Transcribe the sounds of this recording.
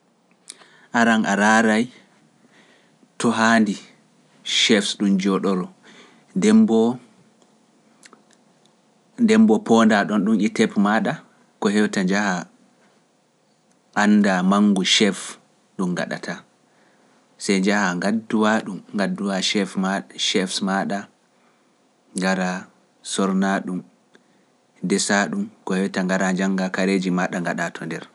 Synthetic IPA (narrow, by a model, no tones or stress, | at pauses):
ʔaɾanʔaɾaːɾaj | tɔɦandi | ʃɛfsɗumd͡ʒɔɗɔɾɔ | ndɛmbɔ | ndɛmbɔpɔndaɗɔnɗumitɛpmaɗa | kɔɦɛwtad͡ʒaha | ʔanːdamaŋɡuʃɛf | ɗumɡa̰ɗa̰tʰa | sɛjd͡ʒahaŋɡadːuwaɗumŋɡadːuwaʃɛfmaʃɛfsmaɗa | ŋɡaɾa | sɔɾnaɗum | dɛsaɗumkɔhɛwtaŋɡaɾaɲd͡ʒaŋɡakaɾed͡ʒimaɗaŋɡaɗatʰɔndɛɾ